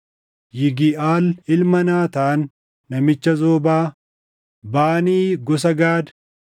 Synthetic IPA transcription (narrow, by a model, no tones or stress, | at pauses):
jɪɡɪʔaːlɪlmɐnaːt̪aːnː | ɐmɪt͡ʃːɐzoːbaː | baːniːɡɔs̬ɐɡaːd̪